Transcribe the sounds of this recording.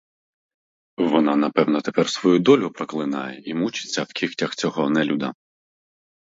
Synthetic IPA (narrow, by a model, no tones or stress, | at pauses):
ʋɔnɑnɐpɛwnɔt̪epɛrsʋɔjud̪ɔlʲʊpɾɔklˠɪnɑ̰jɛimut͡ʃɪ̥t͡sʲːɐwkʲixtʲɐxt͡sʲɔɦɔnɛlʲud̪ɐ̰